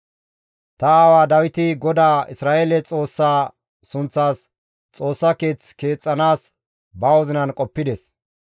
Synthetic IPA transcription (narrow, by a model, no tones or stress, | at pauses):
t̪ɐaːwaːd̪ɐwɪt̪ɪɡɔd̪aːɪsɾaːʔeːlɛt͡sʼo̞ːsːaː | sʊnt͡sːaːs | t͡sʼo̞ːsːake̞ːt͡ske̞ːt͡sʼːɐnaːs | bɐwɔzɪnɐnkʼɔpːɪd̪ɛs